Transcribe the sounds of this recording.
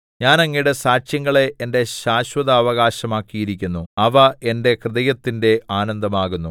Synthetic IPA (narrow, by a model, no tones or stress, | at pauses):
ɲaːnɐŋːijɽesaːt͡ɕjɐŋːɐɭe̞ʔːnde̞ɕaːɕwɐðɐːʋɐɣaːɕɐmaːkːijiɾikʲːunːuɐʋɐe̞nde̞krɨðɐjɐt̪ːinde̞aːnɐnd̪ɐmaːɣunːu